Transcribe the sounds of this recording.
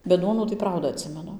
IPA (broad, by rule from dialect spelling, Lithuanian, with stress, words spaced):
bʲɛt ˈduɔnuː tɐɪ ˈprɐʊdɐ ɐtʲˈsʲɪmʲɛnʊ